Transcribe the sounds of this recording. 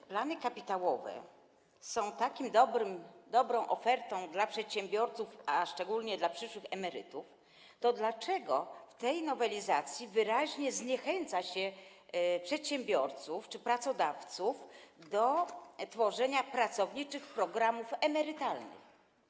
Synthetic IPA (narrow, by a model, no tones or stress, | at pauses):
planɘkapʲit̪awɔvɛ̰ | sɔ̃w̃t̪akʲimd̪ɔbɾɘmd̪ɔbɾɔ̃w̃ʔɔfɛɾt̪ɔ̃w̃d̪lapʂɛt̪ɕɛ̃mbʲjɔɾt̪sufaʂt͡ʂɛɡulɲɛd̪lapʂɘʂwɘxɛmɛɾɘ̰t̪uf | t̪ɔd̪lat͡ʂɛɡɔft̪ɛjnɔvɛlʲizat̪sʲjivɘɾaʑɲɛzɲɛxɛnt̪saɕɛ | pʂɛt̪ɕɛ̃mbʲjɔɾt̪suft͡ʂɘpɾat̪sɔd̪aft̪sufd̪ɔt̪fɔʐɛɲapɾat̪sɔvɲit͡ʂɘxpɾɔɡɾamufɛmɛɾɘt̪alnɘ̰x